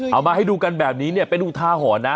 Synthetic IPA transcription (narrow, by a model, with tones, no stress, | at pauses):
ʔa˧˩wmaː˧ha˥˩jduː˧ka˧nbɛː˨˩p̚niː˦˥ni˥˩ɐpe˧nʔu˨˩t̪ʰaː˧kɔː˩˦na˦˥